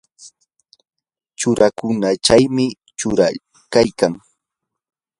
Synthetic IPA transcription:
t͡ʃʊɾakʊnat͡ʃajmɪ | t͡ʃʊɾa | kajkaŋ

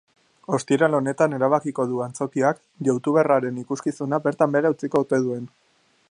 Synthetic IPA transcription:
o̞st̪iɾalo̞ne̞t̪ane̞ɾaβ̞akiko̞ðuant͡so̞kiak | ʝawt̪uβe̞raɾe̞nikuskisunabe̞ɾt̪ambe̞ɾawt͡siko̞ut̪e̞ðue̞n

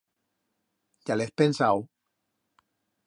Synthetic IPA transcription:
ʎalespensaw

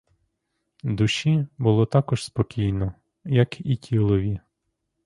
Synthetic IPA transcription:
d̪uʃibʊlˠɔt̪ɑkɔʒspɔkʲijnɔ | jɐkitʲʰilˠɔʋʲi

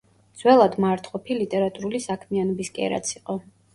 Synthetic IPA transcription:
d̪z̥wɛlˠad̪maɾt̪ʰχɔpʰilit̪ʼɛɾat̪ʼuɾulisakʰmianɔbiskʼɛ̰ɾa̰t̪sʰiqʼɔ

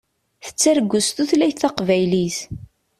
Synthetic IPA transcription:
θə̥t͡sːæɾɡʷːʊst̪uθlæjθθɑqvæjliθ

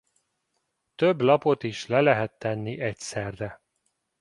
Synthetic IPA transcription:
t̪øblɒpo̞t̪iʃlɛlɛɦɛt̪ːɛnːiʔɛcsɛrdɛ

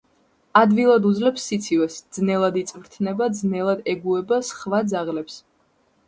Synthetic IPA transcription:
ad̪vilˠad̪ud̪zlɛpsːit̪sʰivɛsd̪znɛlˠad̪it̪sʼvɾt̪ʰnɛbad̪znɛlˠad̪ɛɡuɛbasχvad̪zaʁlɛps

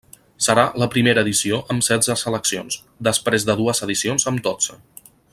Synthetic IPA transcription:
səɾaləpɾimeɾəːðisioʔəmsɛzəsələksionz | d̪əspɾezðəðuəzəðisionzəmd̪od͡z̥ə

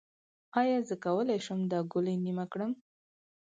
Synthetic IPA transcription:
ɑjɑzəkawəlajʃəmd̪ɑɡʊləjnimakɽəm

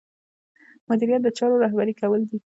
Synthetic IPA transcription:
mʊd̪iɾijat̪̚d̪ət͡ʃɑɾoɾaɦbaɾikawəld̪i

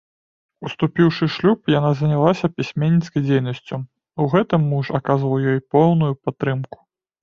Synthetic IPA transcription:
ust̪upʲiwʂɨʂlʲupjanazɐnʲalˠasʲɐpʲisʲmʲenʲːit̪skɐjd͡zʲejnɐsʲt͡sʲu | uɣɛt̪ɨmːuʂakazvɐwjɔjpɔwnujupat̪ːɾɨmku̥

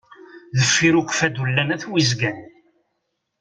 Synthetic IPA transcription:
ðəfːiɾukʷfæd̪ulːænæθwizɡæn

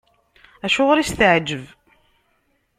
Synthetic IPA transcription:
æʃʊʁɾist̪əʕd͡ʒəv

